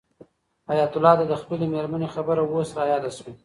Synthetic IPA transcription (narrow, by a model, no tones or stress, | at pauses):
ajat̪ʊlɑd̪ad̪əxpəlemeɾmanexabəɾawosɾajɑd̪aʃwi